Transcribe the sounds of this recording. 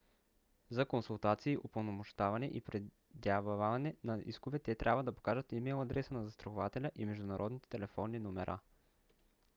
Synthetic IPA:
zɐkonsulˠt̪at̪siːʔopolˠnomʊʃt̪avɐnɛʔipɾɛ | d̪avavɐnɛnɐḭskʊvɛt̪ɛt̪ɾʲabvəd̪ɐpo̥kaʒət̪imɛjlˠɐd̪ɾɛsənɐzɐst̪ɾoxʊvat̪ɛlʲəʔimɛʒd̪ʊnɐɾʔɔd̪nit̪ɛ̥t̪ɛlɛfɔnːinʊmɛɾʔa̰

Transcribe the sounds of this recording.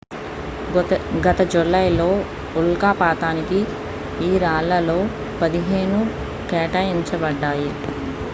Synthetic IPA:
ɡɐt̪ɐd͡ʒulɐjlo̞ː | ulkaːpaːt̪aːniki | iːɾaːlɐlo̞ː | pɐd̪iɦe̞ːɳu | kɛːʈaːiɲt͡ʃɐbɐɖːaːji

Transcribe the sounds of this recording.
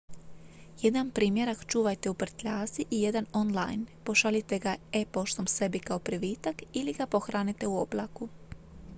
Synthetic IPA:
je̞d̪ampɾiːmje̞ɾakt͡ʃuːʋajt̪e̞upr̩t̪ʎaːsiʔije̞d̪ano̞nla̰jnpo̞ʃalit̪e̞ɡae̞po̞ʃt̪o̞mse̞bikao̞pɾiʋiːt̪akiliɡapo̞xɾaːnit̪e̞uoblˠa̰ku

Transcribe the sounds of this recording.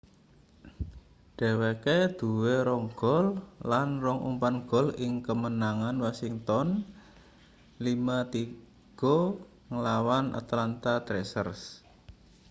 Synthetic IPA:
d̥ɛ̤weked̪̥ṳweɾɔŋɡ̥ɔllanrɔŋṵmpanɡ̥ɔ̤lɪŋkəmənaŋanwasiŋt̪ɔn | limat̪i | ɡ̥o | ŋəlawanʔa̰t̪lant̪at̪ɾesərs

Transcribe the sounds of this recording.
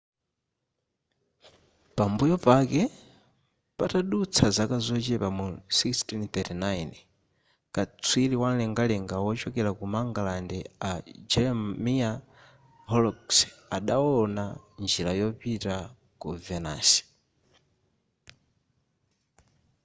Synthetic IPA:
pambujɔpakɛ | pataɗut͡sʰazakazɔt͡ʃɛpamusikstint̪ɛtinajn | kat͡sʰwiliwanlɛŋɡalɛŋɡawɔt͡ʃɔkɛɾakumaŋɡalandɛad͡ʒɛɾɛmia | hɔlɔksaɗaɔnand͡ʒilajɔpita | kuvɛna̰si̥

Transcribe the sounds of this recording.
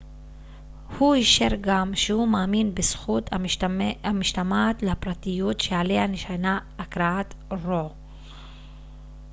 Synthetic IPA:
huiʃeɾɡamʃehumaːminbesχut̪aamiʃtamat̪leapɾat̪ijut̪ʃeʕalehaneʃanaːkɾaat̪ɾo

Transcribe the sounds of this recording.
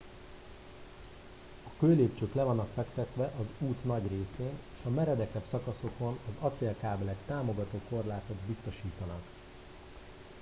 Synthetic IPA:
ɒkøːleːpt͡ʃøːklɛvɒnːɒkfɛkt̪ɛt̪ʋɛʔɒzuːt̪nɒɟreːseːneːʃɒmɛɾɛd̪ɛkɛbsɒkɒso̞ko̞nɒzɒt̪selkaːblɛkt̪aːmo̞ɡɒt̪oːko̞rlaːt̪o̞d̪bist̪o̞ʃiːt̪ɒnɒk

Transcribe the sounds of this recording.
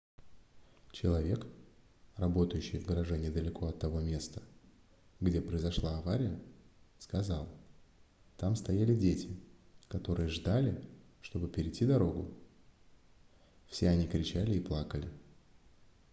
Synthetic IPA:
t͡ɕɪlˠɐvʲe̞k | rɐbo̞t̪əjʏɕːɪjvɡəɾɐʐɛnʲɪd̪əlʲɪkʰo̞ɐt̪ːɐvo̞mʲe̞st̪ə̥ | ɡdʲe̞pɾəjɪzɐʂlˠaɐvaɾʲɪjəskɐzɑlˠ | t̪amst̪ɐjalʲɪdʲetʲɪ | kɐt̪o̞ɾɨjəʐd̪alʲɪʂt̪o̞bɨpʲɪɾʲɪtʲːid̪ɐɾo̞ɡʊ | fsʲeɐnʲikɾʲɪt͡ɕælʲɪiplˠakəlʲɪ

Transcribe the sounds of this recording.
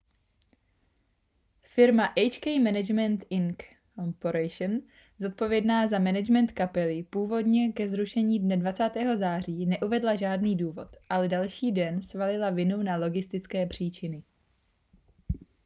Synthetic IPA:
fɪɾmaʔɛjt͡ʃkɛjmɛnɛd͡ʒmɛnt̪ɪŋk | ompoɾɛjʃn | zo̞t̪̚po̞vjɛdnaːzamɛnɛd͡ʒmɛnt̪kapɛlɪpuːvo̞dɲɛkɛzɾuʃɛɲiːdnɛdvat͡saːt̪ɛːɦo̞zaːr̝iːnɛʔuvɛdlaʒaːdniːduːvo̞̰t̪ʔalɛdalʃiːdɛnsvalɪlavɪnunalo̞ɡɪst̪ɪt͡skɛːpr̝̥iːt͡ʃɪnɪ

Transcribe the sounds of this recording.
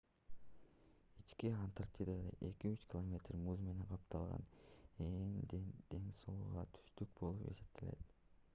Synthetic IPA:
it͡ʃkiant̪art̪ʲid̪ɑd̪ḛʔe̞kiyt͡ʃkʲɪlˠomʲe̞t̪rmuzme̞ne̞ŋqʰɑp̚t̪ʰɑlˠʁɑ̰nend̪d̪̥e̞ŋsolˠuʁɑt̪ʰy̥st̪yk̚bo̞lˠupe̞̰se̞p̚t̪ʰele̞̰t̪

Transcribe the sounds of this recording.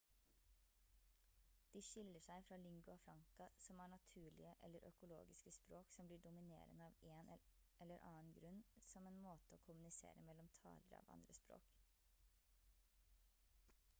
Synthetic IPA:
d̪̥iːʃɪləʂæɪfɾɑːlɪŋɡʉɑfɾɑŋkɑsɔmæːɳɑt̪ʰʉːɭɪəʔɛ̰lːəɾʔœkʊlo̰ːɡɪskəspɾoːksɔmbliːɖʊmɪnḛːɾənəɑːʋeːnʔɛlːəɾʔɑːənɡɾʉnːsɔmeːnmoːt̪əoːkʰʊmʉnɪsḛːɾəmɛlɔmt̪ʰɑ̰ːləɾɑ̰ːʋɑ̰nd̪ɾəspɾo̰ːk

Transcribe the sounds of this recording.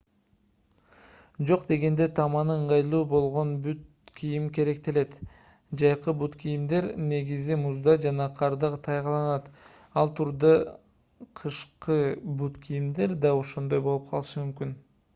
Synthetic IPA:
d͡ʒo̞qd̪e̞ɡe̞nd̪e̞t̪ʰɑmɑnɯɯɴʁɑjlˠuːbo̞lˠʁo̞nbyt̪ | kʲʰijimke̞ɾe̞k̚t̪ele̞t̪ | d͡ʒɑjqɯbut̪kʲijimd̪e̞ɾne̞ɡizimuzd̪ɑd͡ʒɑnɑqʰɑɾd̪ɑʁt̪ʰɑjqɑlˠɑnɑt̪ | ɑlˠt̪ʰuɾd̪ɑ | qʰɯʃqɯbut̪kʰijimd̪e̞ɾd̪ɑo̞ʃo̞nd̪o̞jbo̞lˠup̚qʰɑ̰lˠɯʃɯmymkyn

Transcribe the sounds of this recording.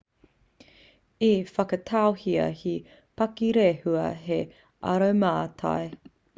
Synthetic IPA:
ifɐkɐtʰawhiɐ̰hi | pɐkiɾehuɐɦe | ʔɐ̰ɾɐwmaːtʰa̰j

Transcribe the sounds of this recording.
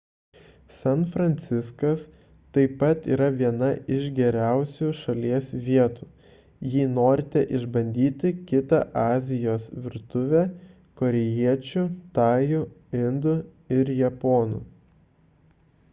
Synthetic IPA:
sɛnˑfɾɐnʲt̪sʲɪskɐs | t̪ɐɪpɐt̪iːɾɐʋʲiɛnɐʔɪʃɡʲɛɾʲæˑʊsʲuːʃɐlʲiɛsʋʲiɛt̪uː | jiːnoːɾʲɪt̪ʲɛʔɪʒbɐnʲd̪ʲiːt̪ʲɪkʲɪt̪ɐʔɑːzʲɪjoːsʋʲɪɾt̪ʊʋʲe | koːɾʲɛjiɛt͡ʃʲʊt̪ɑːjʊɪnd̪ʊ | ɪɾjɛpoːnṵ

